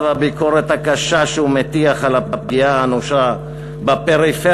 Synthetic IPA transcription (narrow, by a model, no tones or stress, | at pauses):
vabiko̞ʁet̪hakaʃaʃeumet̪iaχalapap̚ɡiaanoʃa | bape̞ʁife